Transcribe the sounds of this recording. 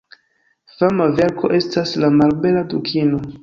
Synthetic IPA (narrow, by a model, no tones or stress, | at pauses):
famave̞ɾkʰo̞ʔe̞staslamalbe̞ladukʰino̞